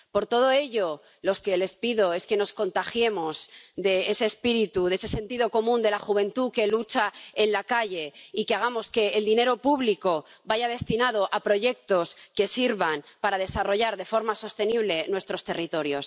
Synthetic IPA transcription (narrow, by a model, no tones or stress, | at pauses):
po̞ɾt̪o̞ð̞o̞e̞ʎo̞ | lo̞ske̞le̞spiðo̞e̞ske̞no̞sko̞nt̪axje̞mo̞zðe̞ese̞ːspiɾit̪uðesese̞nt̪iðo̞ko̞mũnd̪e̞laxuβ̞e̞nt̪uke̞lut͡ʃae̞nlakaʝe̞ikeaɣ̞amo̞ske̞ːld̪ineɾo̞puβliko̞ | baʝað̞e̞st̪inað̞o̞ʔapɾo̞ʝe̞k̚t̪o̞ske̞siɾβanpaɾað̞e̞saro̞ʝaɾðe̞fo̞ɾmaso̞st̪e̞niβ̞le̞nwe̞st̪ɾo̞st̪e̞rit̪o̞ɾjo̞s